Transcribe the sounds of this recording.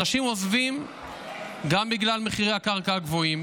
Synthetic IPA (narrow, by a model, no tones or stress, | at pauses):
naʃimozvim | ɡambiɡlalme̞χiʁejhakaʁkaaɡvo̞im